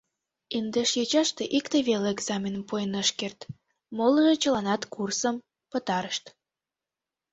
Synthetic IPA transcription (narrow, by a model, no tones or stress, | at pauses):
ind̪eʃjet͡ɕɑʃt̪eʔikt̪eβeleeɡzɑmʲenmpojenəʃkert̪ | moləʒet͡ɕəlɑnɑt̪kursəm | pət̪ɑɾəʃt̪